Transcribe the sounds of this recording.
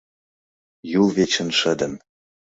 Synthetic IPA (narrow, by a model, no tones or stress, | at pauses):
julˠvet͡ɕə̆nʃə̆d̪ə̆n